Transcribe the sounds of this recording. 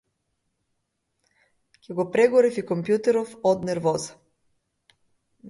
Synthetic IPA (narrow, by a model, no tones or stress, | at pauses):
kʰʲɛɡopɾɛɡɔɾɛfikɔmpjut̪ɛɾɔfɔt̪nɛɾvɔzə̥